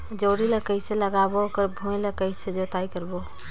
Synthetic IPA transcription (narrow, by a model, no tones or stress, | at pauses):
d͡ʒoːɾiləkəɪseləɡabokəɾbʱũĩləkəɪsed͡ʒot̪aikəɾbo